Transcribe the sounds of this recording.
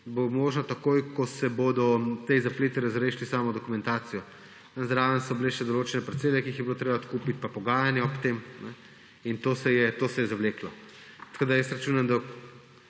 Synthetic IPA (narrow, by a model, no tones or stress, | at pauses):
bomoːʒnat̪akojkɔsɛbod̪ɔt̪ejzapleːt̪iɾazɾeːʃlisaːmɔd̪ɔkumɛ̃nt̪aːt̪sijɔ | nɛzɾaːʋənsɔbileʃɛd̪oloːt͡ʃɛnɛpɾɛt̪seːlɛkiiːxjɛbilot̪ɾeːbat̪kuːpit̪̚papɔɡaːjanjɛɔpt̪emnɛ | int̪oːsɛjɛt̪oːsɛjɛzaʋleːklɔ | t̪ɐ̥koːd̪ajəsɾat͡ʃuːnamd̪a